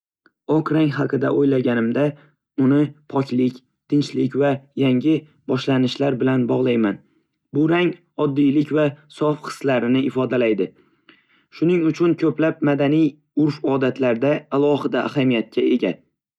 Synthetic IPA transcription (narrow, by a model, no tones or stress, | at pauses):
ɒqɾaŋɦɑqʰɨd̪aʔojlaɡʲanɪmd̪a | ʊnɪpʰɒkʲlɪkʲ | t̪ʰɪnt͡ʃlɪkʲvajaŋʲɪ | bɒʃlanɪʃlaɾbɪlanbɒʁlˠajman | bʊɾaŋ | ɒd̪ːijlɪkʲvasɒfqʰɨ̥slaɾɪnɪɪfɒd̪alajd̪ɪ | ʃʊnɪŋʊt͡ʃʰʊnkʲʰɵplap̚mad̪anij | ʊɾfɒd̪at̪ʰlaɾd̪aːlˠɒhɪd̪aʔːhamijat̪̚kʲʰae̞ɡʲa